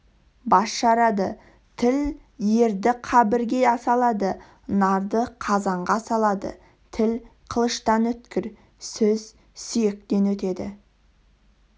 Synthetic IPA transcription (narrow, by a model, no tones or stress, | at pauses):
bɑsʃɑɾɑd̪ə | t̪ʰɪl | je̞ɾd̪ɪqʰɑbɪɾɡʲe̞ɑsɑlˠɑd̪ə | nɑɾd̪əqʰɑzɑɴʁɑsɑlˠɑd̪ə̰ | t̪ʰɪlqʰəlˠəʃt̪ɑnɵt̪kʲɪɾ | sɵz | sʏjek̚t̪e̞nwɵt̪e̞d̪ɪ̰